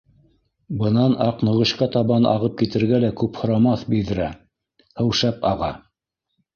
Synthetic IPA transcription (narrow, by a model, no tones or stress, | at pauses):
bɤ̆nɑnʔɑqnŏʁɤ̆ɕqɑt̪ɑβɑnʔɑ̰ʁɤp̚kit̪ɘ̆ɾɡælækʉphŏɾɑmɑθbild̪ɘ̆ɾæ | hɘ̆wʃæpɑ̰ʁɑ